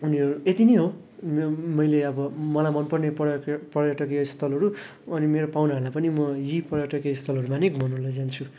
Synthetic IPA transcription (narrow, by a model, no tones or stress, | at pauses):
uniʌɾuet̪ineɦo | mmʌjleʌbʌmʌlamʌnpʌrnepʌpʌrjaʈʌkiʌist̪ʰʌlɦʌɾu | ʌnimeɾopawnʌɦʌlapʌnimʌjipʌrjaʈʌkiʌist̪ʰʌlɦʌɾumanekmʌnulʌd͡zant͡sʰu